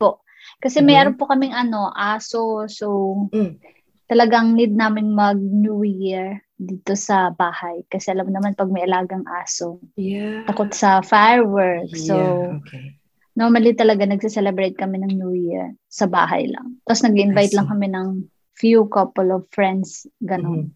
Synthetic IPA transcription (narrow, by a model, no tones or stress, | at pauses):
po̞ʔ | kɐsɛmɛɾonpokɐmɪŋʔɐno̞ʔaːsosow | t̪ɐlɐɡaŋnid̪̚naːmɪnmɐɡ̚njuɹ | d̪iːt̪o̞sɐbaːhɐjkɐsɛʔɐlamnɐmanpɐɡ̚mɐjʔɐlaːɡɐŋʔaːsot̪ɐkot̪sɐfajɹwɛɹkso | noɹmɐlit̪ɐlɐɡanɐɡ̚sisɛlɛbɹɾejt̪̚kɐmɛnɐŋnjuiɛ̰ɹsɐba̰ːɦɐ̰jlɐ̰ŋt̪ɐosnɐɡɪʔɪnvajt̪lɐŋkɐmɛnɐŋ | fjukɐpɔlovfɹɛnd̪sɡɐno̞n